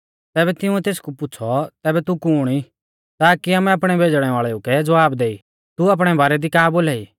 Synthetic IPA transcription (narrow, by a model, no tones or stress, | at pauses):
t̪ɛːbɛt̪ɪũɛt̪eːskupʊːt͡sʰɔt̪ɛːbɛt̪ukʊːɽ̃i | t̪aːkiaːmɛapɽ̃ɛbʱeːd͡ʒɽ̃ɛʋaːɭɛukɛd͡zʋaːbd̪eːi | t̪uɐp̬ɽ̃ɛbaːɾɛd̪ikaːboːlɛːiː